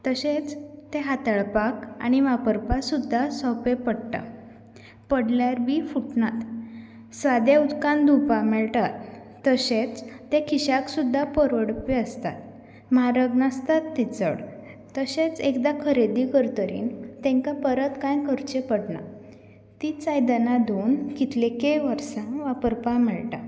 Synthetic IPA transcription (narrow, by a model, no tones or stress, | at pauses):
t̪əɕet͡st̪eɦat̪əɭpaka̰ɽ̃iʋapəɾpasud̪ʱːasɔpepəɽʈ̪a̰ | pəɽljaɾbiːfuʈnat̪ | sʋad̪jaut̪kãnd̪ʱupamɛɭʈ̪at̪ː | əɕet͡st̪ekʰiɕaksud̪ʱːapəɾʋəɽpiəst̪a̰t̪ | mɦaɾəɡnast̪at̪ːit͡sə̰ɽ | t̪əɕet͡sekd̪akʰəɾed̪ikəɾt̪əɾḭːnt̪ẽŋkapəɾət̪kãjkʰəɾt͡ɕepəɽna̰ | t̪it͡sajd̪ənad̪ʱonkit̪ʰlekeʋəɾsãʋapəɾpamɛɭʈa̰